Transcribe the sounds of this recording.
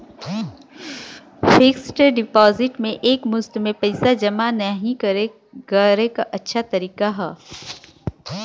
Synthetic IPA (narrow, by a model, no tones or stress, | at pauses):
fʰɪksʈɖɪpɔːzɪʈmẽʔeːkmʊst̪mẽpɐɪsad͡ʒɐmanəɦĩkɐɾe | ɡəɾekaʔɐtːʃʰat̪ɐɾiːkaɦɛː